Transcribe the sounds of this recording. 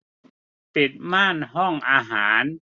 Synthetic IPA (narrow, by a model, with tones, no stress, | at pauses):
pi˨˩t̪̚maː˥˩nɦɔ˥˩ŋʔaː˧ɦaː˩˦n